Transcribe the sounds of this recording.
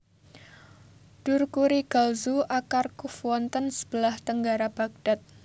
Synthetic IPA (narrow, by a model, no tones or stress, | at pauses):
ɖ̥ʊrkuɾiɡ̥alzuʔakarkufwɔnt̪ənsə̥b̥əlaht̪əŋɡaɾab̥aɡ̚d̥at̪̚